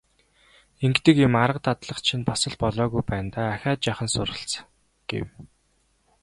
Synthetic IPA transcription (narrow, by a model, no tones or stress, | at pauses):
eŋɡt̪ɘ̆kjɪmaɾə̆q̚t̪ʰat̪ɮə̆χt͡ɕʰinpasə̆ɮpɔɮɔːɣujpæːnt̪aːaxʲaːt̪̚t͡ɕaχə̆nsʊrʁə̆ɬt͡s | ɡ̥ḛw